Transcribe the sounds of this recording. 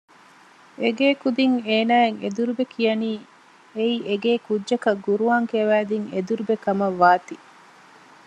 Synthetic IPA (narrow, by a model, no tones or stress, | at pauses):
eɡeːkud̪iŋeːnaːeŋḛd̪uɾubekʰijɐniː | eieɡeːkudʒɐkɐɡuɾuaːŋkeʋæːd̪iŋed̪uɾubekɐmɐʋːaːt̪i